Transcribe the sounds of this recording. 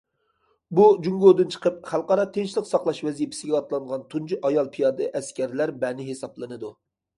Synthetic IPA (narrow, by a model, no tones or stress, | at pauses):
bud͡ʒuŋɡod̪ɨnt͡ʃʰə̥qəp̚χælˠqɑɾɑt̪ʰenʃilˠɪqsɑχlˠɑʃvɛzijipʰɪ̥sɪɡʲɛɑt̪lˠɑɴʁɑnt̪ʰund͡ʒʰiʔɑjɑlˠpʰijɑːd̪ɨʔɛskʲæɾlæɾbɛnɪɦesɑplˠɨnɨd̪u